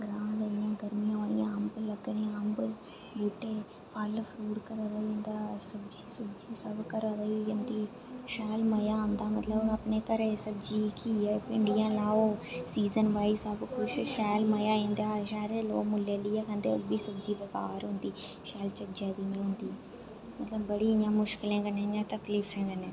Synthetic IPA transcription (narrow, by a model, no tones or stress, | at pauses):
ɡɾãːd̪ɐjãɡɐɾmijãʋɐiãmbɨlɐɡɐneaːmbɨ | buʈːe | pʰaːlfʰɾuːʈkɐɾad̪ɐiɐnd̪asɐbd͡ʒi̥sɐbd͡ʒisɐbkɐɾɐd̪ɐʋijɐnt̪i | ʃaːlmɐjaːɐnd̪aːmɐt̪lɐbɐpneːkɐɾesɐbd͡ʒikijapɪɳɖijalaːʋosiːzənʋaːisəbkʊt͡ʃʃɛːlməjaːĩːnd̪aːʃɛːɾelo̰ːmʊleːliːɛkʰə̃nd̪ḛbʱiːsɐbd͡ʒiːbɐkaːɾɦʊ̃ːnd̪iː | ʃɛːlt͡ʃəd͡ʒãːd̪iɲãɦʊ̃ːnd̪iː | mɐt̪ləbːəɽiːɪɲãːmʊʃkɪlẽːɡənẽɲãːt̪ɐkliːfẽːɡəneː